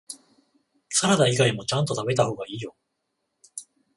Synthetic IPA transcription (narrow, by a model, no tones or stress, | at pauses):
saɾad̪aiɡaimo̞t͡ɕãnt̪o̞t̪abe̞t̪aho̞ːɡaiːjo̞